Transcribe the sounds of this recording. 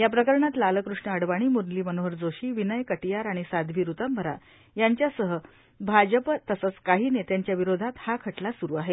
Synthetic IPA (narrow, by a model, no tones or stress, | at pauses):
japɾəkəɾɳat̪laləkɾuʂɳəːɽʋaɽ̃iːmuɾnliːmənoɦəɾd͡zoɕiːʋinəjkəʈijaɾaɽ̃isad̪ʱʋiːɾut̪əmbʱəɾa̰ | jaɲt͡ɕjasəɦə | bʱad͡ʑəpt̪əsət͡skaɦiːnet̪jaɲt͡ɕjaʋiɾod̪ʱat̪hakʰəʈlasuɾuːaɦe